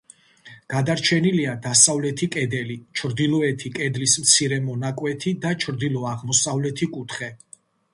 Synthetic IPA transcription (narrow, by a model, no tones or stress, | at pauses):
ɡ̥ad̪aɾt͡ʃʰɛniliad̪asavlɛt̪ʰikʼɛd̪ɛlit͡ʃʰɾd̪ilˠɔɛt̪ʰikʼɛd̪lismt̪sʰiɾɛmɔnakʼwɛt̪ʰid̪at͡ʃʰɾd̪ilˠɔaʁmɔsavlɛt̪ʰikʼut̪ʰχɛ